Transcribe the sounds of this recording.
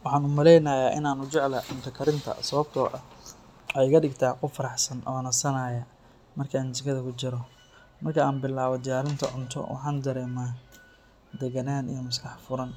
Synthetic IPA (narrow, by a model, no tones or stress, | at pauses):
wɑħɑːnʊmɐlɛjnɐːjaːʔɪ̰naːnʊt͡ʃɛʕlɐʊnt̪ʰɐkʰɐɾɪnt̪ʰɐ̰sɐβɐb̚t̪ʰɔːʔɐ | ɔħɛjkɐɖɪɡt̪ʰaːqʊfɐɾɑħsɐnʔɐ̰ɐnɐsɐnaːjɐ | mɐrkʰɐaːnt͡ʃɪkʰɐðɐkʰʊt͡ʃɪɾɔ | mɐrkʰɐaːnbɪlaːβɔd̪ɪjaːɾɪnt̪ʰɐ̰ʕʊnt̪ʰɔ̰wʔɑ̰ħɑːnd̪ɐɾɛːmaː | d̪ɛɡɐnaːnḭjɔmʊskɑħfʊɾɐn